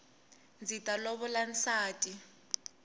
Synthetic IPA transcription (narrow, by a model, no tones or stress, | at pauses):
nd͡zitʼalɔβɔlan̩saːtʼi